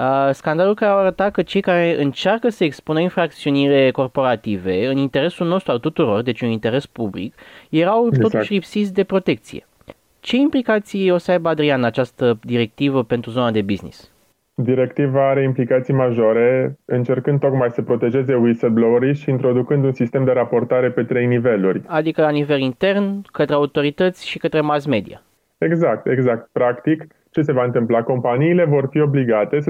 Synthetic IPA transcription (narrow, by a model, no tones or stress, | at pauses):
əskand̪alulkaɾeawaɾət̪at̪̚kət͡ʃe̞jkaɾe̞ʔɨnt͡ʃarkəsəekspunəinfɾak̚t̪siunile̞ko̞rpo̞ɾat̪ive̞ɨnint̪e̞ɾe̞sulno̞st̪ɾualt̪ut̪uɾo̞rd̪e̞t͡ʃʲunint̪e̞ɾe̞spublḭkje̞ɾawt̪o̞t̪uʃʲlipsit̪sʲd̪e̞pɾo̞t̪e̞k̚t̪sḭje̞̰ | t͡ʃe̞implikat̪sijo̞səajbəad̪ɾianat͡ʃast̪əd̪iɾe̞k̚t̪ivəpe̞nt̪ɾuzo̞nad̪e̞biznḭs | d̪iɾe̞kt̪ivaaɾe̞implikat̪sijmaʒoɾe̞ɨnt͡ʃe̞rkɨnd̪t̪ːo̞kmajsəpɾo̞t̪e̞ʒe̞ze̞wisəlbloɾiʃiːnt̪ɾo̞d̪ukɨnd̪unsist̪e̞md̪e̞ɾapo̞rt̪aɾe̞pe̞t̪ɾejnive̞lurʲad̪ikəlanive̞lint̪e̞rnkət̪ɾeaut̪o̞ɾit̪ət̪sʲʃikət̪ɾe̞masme̞d̪ḭa̰ | e̞ɡzak̚t̪e̞ɡzak̚t̪̚pɾakt̪ik | t͡ʃe̞se̞vaɨnt̪ɨmplako̞mpaniːle̞vo̞rfio̞bliɡat̪e̞